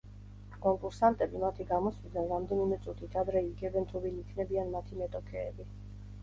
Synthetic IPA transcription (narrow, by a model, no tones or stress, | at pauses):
kʼɔŋkʼuɾsant̪ʼɛbimat̪ʰiɡamɔswid̪anɾamd̪ɛnimɛt̪sʼut̪ʰit̪ʰad̪ɾɛiɡɛbɛnt̪ʰuvinikʰnɛbianmat̪ʰimɛt̪ʼɔkʰɛːbi